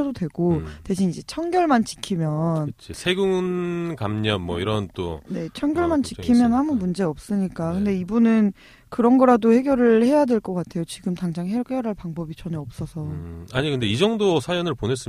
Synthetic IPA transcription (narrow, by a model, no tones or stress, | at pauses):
ʌdodwe̞ɡ̥ote̞ɕʰinid͡ʑe̞t͡ɕʰʌŋɡjʌɭmant͡ɕi̥kʰimjʌnt͡ɕʰisʰe̞ɡuŋnkamɲʌnmwʌ̰iɾʌnt͈o̰ne̞t͡ɕʰʌŋɡjʌɭmant͡ɕikʰimjʌnhamumund͡ʑe̞ʌp̚s͈ɯɲik͈akɯnde̞ibunɯn | kɯɾʌnɡʌɾadohe̞ɡjʌɾɯɭhe̞jadwe̞ɭk͈ʌk͈atʰe̞jot͡ɕiɡɯmtaŋd͡ʑaŋɦek͈ejʌɾaɭpaŋbʌbit͡ɕʌneʌp̚s͈ʌsʰʌaɲikɯnde̞id͡ʑʌŋdosʰajʌnɯɭpone̞s͈ɯ